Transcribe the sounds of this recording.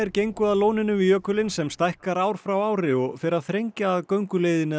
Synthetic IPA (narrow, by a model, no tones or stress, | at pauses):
ɛɾcejŋkʏaðloːwnɪnʏmijœːkʏlɪnsɛmst̪ajhkaɾaːwɾ̥fɾawaːwɾɪɔɣfɪɾɪaðθɾejɲcaːðkœɥŋkʏleːjðɪnɪ